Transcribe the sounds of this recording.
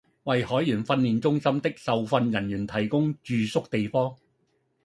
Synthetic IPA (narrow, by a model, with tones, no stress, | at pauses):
wɐ˨jhɔː˨˥jjyː˨˩nfɐ˧nliː˨˩nt͡sʊ˥ŋsɐ˥mt̪ɪ˥k̚sɐ˨wfɐ˧njɐ˨˩njyː˨˩nt̪ʰɐ˨˩jkʊ˥ŋt͡ʃyː˨sʊ˥k̚t̪e˨jfɔː˥ŋ